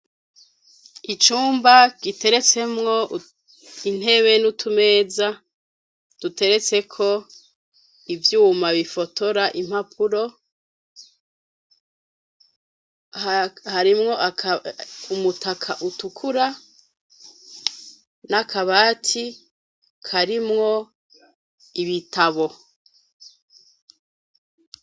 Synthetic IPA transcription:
it͡ʃuːmbaɡ̥ite̞ɾe̞t͡se̞mŋo̞ | in̥he̞βe̞nutʰume̞ːza | d̥ute̞ɾe̞t͡se̞kʰo̞ | ivjuːmaβifo̞to̞ɾaʔim̥hapʰuɾo̞ | haɾimŋo̞ʔa | umutʰakʰaʔutukʰuɾa | nakaβaːtʰi | kʰaɾimŋo̞ | iβitʰaβo̞

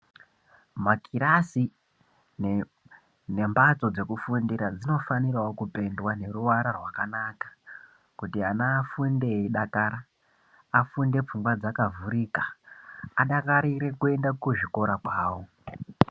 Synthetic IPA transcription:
makiɾasi | n | ne̞mbat͡so̞d͡ze̞kufundiɾad͡zino̞fanirawokupe̞ndwane̞ruwaɾarwakanaːkḁ | kutianaːfundeiɗakaːɾaː | funde̞p͡fuŋɡwad͡zakavuɾiːkḁː | ɗakaɾiɾe̞kue̞ndakuʐiko̞ɾakwaːwo̞

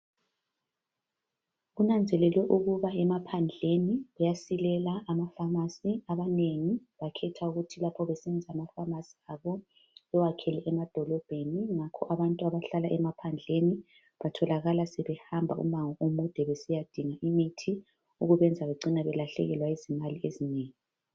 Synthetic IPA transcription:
ɣunand͡zʱɛlɛlwɛʔuɣuβaɛmapʰand͡ɮʱeniβɛjasilɛlaːmafamasiaβaneŋiβakʰɛtʰauɣutʰilapʰɔβɛsɛnd͡zʱaːmafamasiaβɔ | ɛwakʰɛlɛʔɛmad̥ʱɔlɔb̥ʱeniŋakʰɔ̰ʔaβantʼuaβaɬalaʔɛmapʰand͡ɮʱeni | βatʰɔlaɣalasɛβɛhambʱaṵmaŋɔʔomud̥ʱɛβesijad̥ʱiŋaʔimitʰi | uɣuβɛnd͡zʱaβeǀinaβɛlaɬɛ̰ɣɛlwaizimaliezineːŋi

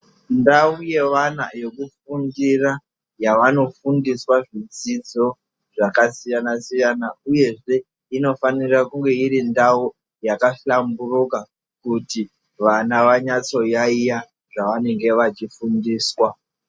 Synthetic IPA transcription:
ndauje̞ʋana̰jo̞kufundira | jaʋano̞fundiswaʐid͡zid͡zo̞ | ʐakasijanasijanauje̞ʐe̞ | ino̞fanirakuŋɡe̞iɾindau | jakaɬamburuka | kuti | ʋanaʋaɲat͡so̞jaija | ʐaʋane̞ŋɡe̞ʋat͡ʃifundiːswa

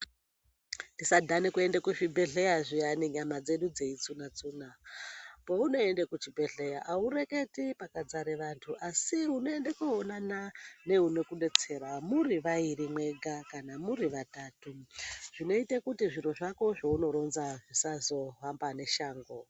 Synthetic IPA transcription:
ndisadʱanekue̞ndekuʐibʱe̞ɮe̞jaʐijaniɲamad͡ze̞ɗud͡ze̞it͡sunat͡suːna | pouno̞endekut͡ʃibʱe̞ɮe̞jaʔaure̞ke̞tipakad͡zaɾeʋantʰuʔasiuno̞e̞ndekuonanane̞uno̞kuɗe̞t͡se̞rwamuriʋaiɾimwe̞ɡʱakanamuriʋatatuʐ̥ino̞itekutiʐiroʐako̞ʐouno̞ɾo̞nzaʐisazo̞ɦambane̞ʃaːŋɡo

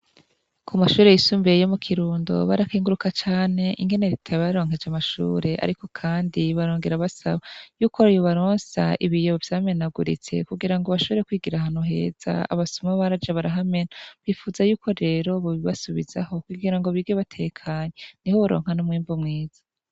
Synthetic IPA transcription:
kʰumaʃuːɾe̞jisuːmbejomukʰiɾuːndo̞̰βaɾakiːŋɡuɾukat͡ʃaːne̞ʔiŋɡe̞ne̞ɾitʰaβaɾo̞ːŋ̥ɦe̞d͡ʒamaʃṵːɾe̞ʔa̰ɾiko̞kʰaːndiβaɾo̞ːŋɡe̞ɾaβasaβajuːkojoβaɾoːnsa̰iβijoβovjaːme̞naɡuɾḭt͡se̞̰kuɡiɾaŋɡoβaʃo̞βoɾekwiːɡiɾaɦaːn̥huɦe̞̰ːz̥a̰a̰βasumaβaɾad͡ʒaβaɾaɦame̞naβifuːzajuːkʰo̞ɾe̞ːɾo̞βuβiβasuβiz̥a̰ho̞kuɡiɾaŋɡoβiɡeβatʰe̞kʰaːɲenihoβuɾo̞̰ːŋ̥hanomŋiːmbumŋiːz̥ḁ

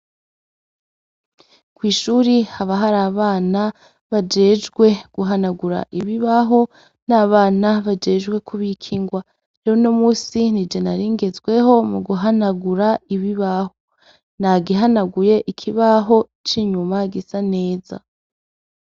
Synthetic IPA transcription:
kwiːʃuːɾihaβaɦaɾaːβaːna | βad͡ʒe̞d͡ʒɡwe̞ɡ̥uɦanaɡuɾa̰ʔiβiβaɦo̞ | naːβaːnaβad͡ʒe̞ːd͡ʒɡwe̞kʰuβikʰiŋɡwa | ɾeɾono̞muːsinid͡ʒenaɾiːŋɡe̞zwe̞ɦo̞muɡuɦanaɡuɾaiβiβaho | naɡiɦanaɡuje̞ʔikʰiβaɦo̞ | t͡ʃiɲumaɡisane̞ːza̰

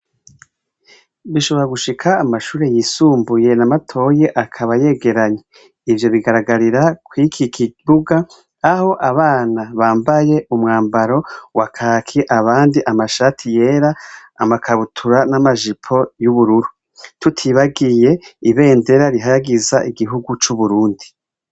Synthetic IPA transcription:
βiʃo̞βo̞ɾaɡuʃikʰaːmaʃuːɾe̞jiːsuːmbuje̞namatʰo̞ːje̞ʔakʰaβaje̞ːɡe̞ɾaɲe | ivjo̞βiɡaɾaɡaɾiɾakwikʰikʰiuɡaː | ho̞ʔaβaːnaβaːmbaje̞umŋaːmbaɾo̞wakʰaːkʰiʔaβaːndiʔamaʃaːtʰije̞ːɾaːmakʰaβutʰuɾanamaʒipʰo̞juβuɾuɾu | tutʰiβaɡije̞iβe̞ːnde̞ɾaɾiɦajaɡizaʔiɡiɦuɡut͡ʃuβuɾuːndi

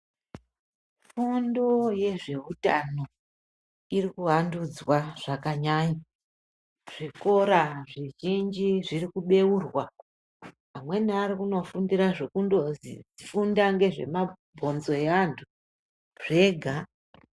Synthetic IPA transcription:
fundo̞je̞ʐe̞utano̞ | irikuɦandud͡zwaʐ̥akaɲaːɲa | ʐ̥iko̞ɾaʐiʒind͡ʒiʐiɾikuɓe̞uːrwa | amwe̞niaɾikuno̞fundiɾaʐekundo̞zḭd͡zifundaŋɡe̞ʐe̞̰ma | bʱo̞nzo̞eantʰu | ʐe̞ɡʱa

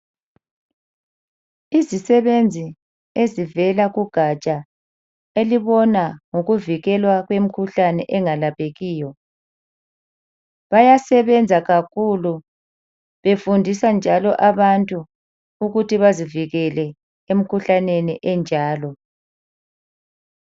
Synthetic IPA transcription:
izisɛβend͡zʱi | ezivɛlaɣuɡ̥ʱat͡ʃʼa | eliβɔnaŋoɣuviɣɛlwaɣwem̩kʰuɬanɛʔɛŋalapʰeɣiːjɔ | βajasɛβɛnd͡zʱaɣakʰulu | βefundʱisand͡ʒʱalɔʔaβantʼu | uɣutʰiβaziviɣɛlɛ | em̩kʰuɬaneniʔɛnd͡ʒʱaːlɔ

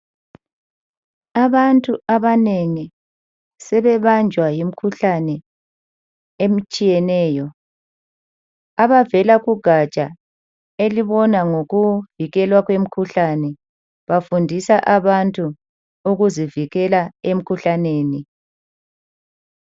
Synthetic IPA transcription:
aβantʼuaβaneŋi | sɛβɛβand͡ʒʱwajim̩kʰuɬanɛ | em̩t͡ʃʼijɛnɛːjɔ | aβavɛlaɣuɡ̥ʱat͡ʃʼa̰ | eliβɔnaŋoɣuviɣɛlwaɣwem̩kʰuɬanɛ | βafundʱisaʔaβantʼu | uɣuziviɣɛlaem̩kʰuɬaneːni

